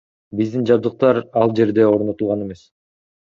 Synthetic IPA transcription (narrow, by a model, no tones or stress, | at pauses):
bizd̪ind͡ʒɑb̚d̪ɯq̚t̪ɑɾɑlˠd͡ʒe̞ɾd̪e̞o̞ɾnot̪ulˠʁɑne̞me̞s